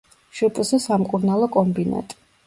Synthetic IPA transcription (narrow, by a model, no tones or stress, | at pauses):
ʃɛpʼsɛsamkʼuɾnalˠɔkʼɔmbina̰t̪ʼ